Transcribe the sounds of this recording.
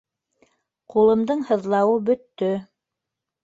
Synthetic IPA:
qulˠɤ̆md̪ɤɴhɤ̆ðlˠɑwɤbɵ̆t̪ːɵ

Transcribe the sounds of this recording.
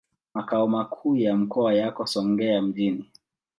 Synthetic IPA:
makaɔmakʰuːjam̩kʰɔajakɔsɔŋɡɛam̩ʄini

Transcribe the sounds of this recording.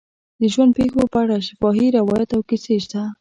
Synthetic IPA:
d̪əʒwand̪̚pexopəaɽaʃɪfɑɦiɾɪwɑjat̪awkɪseʃt̪a

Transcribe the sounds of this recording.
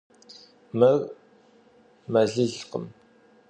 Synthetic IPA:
mɐɣ | mɐɮɨɮqə̰m

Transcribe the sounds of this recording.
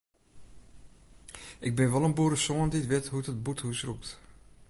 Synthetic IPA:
ʔɪɡ̚bɪnʋɔlˠənbuɾəsoənditʋɪtɦutət̚buthusrup̚t

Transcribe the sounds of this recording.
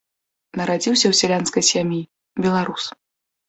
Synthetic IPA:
nɐɾad͡zʲiwsʲɐwsʲɛlʲanskɐjsʲamʲji | bʲɛlˠaɾus

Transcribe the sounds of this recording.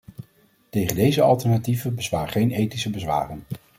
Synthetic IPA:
tejχəndejzəɑ̰lˠtɛɹnativəbəzʋaːɹχejnejtisəbəzʋa̰ːrən

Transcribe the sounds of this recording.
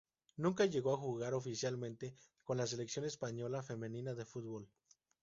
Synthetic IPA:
nũŋk̬aʝe̞ɣo̞axuɣaɾo̞fisjalmẽ̞nt̪e̞ | ko̞nlas̬e̞leksjo̞ne̞spaɲo̞lafe̞mẽ̞nĩnaðe̞fut̪̚bo̞l

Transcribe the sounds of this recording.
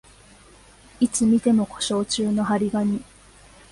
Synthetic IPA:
it͡sɨmʲit̪e̞mo̞kʰo̞̥ɕo̞ːt͡ɕɨːno̞haɾʲiɡaɲ̟i

